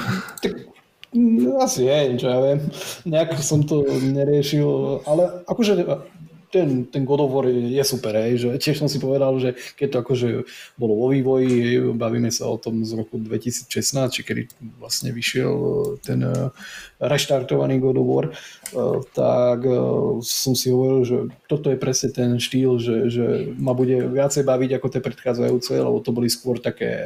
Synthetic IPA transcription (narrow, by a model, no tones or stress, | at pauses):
t̪ak | asiɦɛt͡ʃɔjaʋɪɛmɲɛakɔsɔmt̪ɔɲɛɾɪɛʃilalɛakɔʒɛt̪ɛnt̪ɛnɡɔd̪ɔʋɔɾjɛsupɛɾɦɛjʒɛcɪɛʃsɔmsipɔʋɛd̪alʒɛkɛc̚t̪ɔakɔʒɛbɔlɔʋɔʋiːʋɔjiɦɛjbaʋiːmɛsa̰ɔ̰t̪ɔmzɾɔkud̪ʋɛcisiːt͡sʃɛsnaːst͡ʃikɛd̪ḭʋlasɲɛʋiʃɪɛ̰lt̪ɛn | ɾɛʃt̪aɾt̪ɔʋa̰niːɡɔd̪ɔʋɔ̰ɾ | t̪a̰k | sɔmsiɦɔʋɔɾilʒɛt̪ɔt̪ɔjɛpɾɛsɲɛt̪ɛnʃt̪iːlʒɛʒɛmabuɟɛʋɪat͡sɛjbaʋiɟakɔt̪jɛːpɾɛt̪xaːd͡zajuːt͡sɛ̰lɛ̰bɔt̪ɔbɔliskwʊɔɾt̪akɛ̰ː